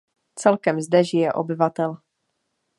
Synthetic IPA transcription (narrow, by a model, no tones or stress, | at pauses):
t͡sɛlkɛmzdɛʒɪjɛʔo̰bɪvat̪ɛl